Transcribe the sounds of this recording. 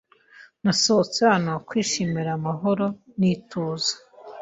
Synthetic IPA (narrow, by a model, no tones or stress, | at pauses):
nasoot͡seaːnokwiːʃimiɾamaɦoɾo̞nitoːzḁ